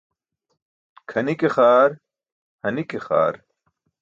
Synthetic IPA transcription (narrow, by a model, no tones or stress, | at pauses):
kʰɐnikexaːɾ | hɐnikexa̰ːɾ